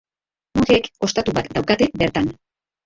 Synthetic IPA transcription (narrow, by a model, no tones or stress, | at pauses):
muɣeeko̞st̪at̪uβat̪d̪awkat̪ebe̞ɾt̪an